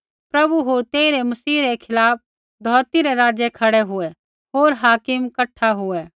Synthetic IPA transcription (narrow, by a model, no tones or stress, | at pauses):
pɾɐbuɦoːɾt̪eːiɾemɐsiːɾɛkʰɪlaːp̚ | d̪ʱɔːɾt̪iɾɛɾaːd͡ʒɛkʰɐɽɛɦʊɛ | ɦoːɾɦaːkɪmkɐʈʰːaɦʊɛ